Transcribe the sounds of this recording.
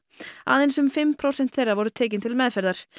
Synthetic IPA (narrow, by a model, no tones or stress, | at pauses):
a̰ːðɪnsʏmfɪmpʰɾowsɛn̥t̪θejrːaɾvɔɾʏt̪ʰɛːc̬ɪnt̪ʰɪlmɛðfɛɾðaɾ̥